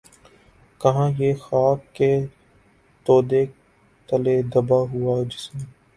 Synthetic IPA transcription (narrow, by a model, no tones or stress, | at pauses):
kɐɦãːjexaːkːe | t̪oːd̪e | t̪əled̪ɐbaɦʊaːd͡ʒɪsm